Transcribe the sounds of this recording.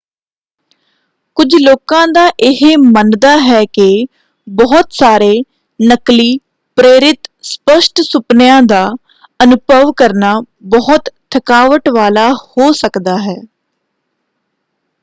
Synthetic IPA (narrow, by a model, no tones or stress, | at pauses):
kʊd͡ʒʱloːkãːd̪aːʔɪɦemənd̪aːɦɛːkɪ | bɔɦʊt̪saːɾeː | nəkliː | pɾeːɾɪt̪spəʃʈsʊpnɪjãːd̪aː | ənʊbʱəʋkəɾnaː | bɔɦʊt̪t̪ʰːəkaːʋəʈʋaːlaːhoːsəkd̪aːɦɛː